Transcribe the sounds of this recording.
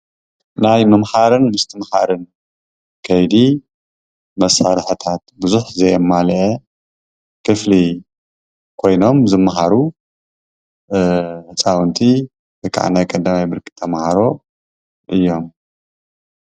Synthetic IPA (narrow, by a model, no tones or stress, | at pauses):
najmɐmħaɾɨnmɨst̪ʰɨmħaɾɨn | kʰɐjd̪i | mɐsːaɾħɨt̪ʰat̪̚bɨzuħzɐjmːalʔe | kʰɨfli | kʰo̞jno̞mzɨmːaɦaɾu | ħɨt͡sʼawɨnt̪ʼʰi | bɨkʰʼa̰ʕnajkʼɐd̪amajbɨɾkʼi̥t̪ʰɐmhaɾo̞ | ʔɨjːo̞m